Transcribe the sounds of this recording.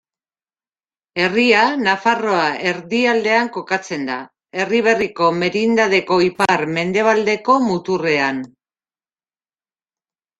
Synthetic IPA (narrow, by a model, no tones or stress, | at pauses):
e̞rianafaro̞aʔe̞ɾðiald̪e̞aŋko̞kat͡se̞nd̪a | e̞riβ̞e̞riko̞me̞ɾind̪að̞e̞ko̞ipaɾme̞nd̪e̞β̞ald̪e̞ko̞mut̪ure̞an